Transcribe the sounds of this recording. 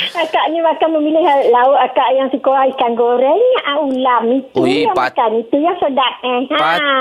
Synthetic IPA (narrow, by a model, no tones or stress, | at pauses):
akaʔɲəmakanməmilɪhaɾʊʔ̪̚laʊt̪̚akaʔjaŋsukoaikanɡoɾɛŋɲaʔaulamit̪ujaŋakanit̪ujaŋsədak̚ɛha